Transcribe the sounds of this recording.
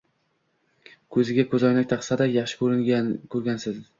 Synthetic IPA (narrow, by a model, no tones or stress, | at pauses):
kʰɵzɪɡʲakʰɵzɒjnak̚ʲt̪ʰɑqsad̪ajɑχʃɪ̥kʰɵɾɪŋʲkʰɵɾɡʲansɪz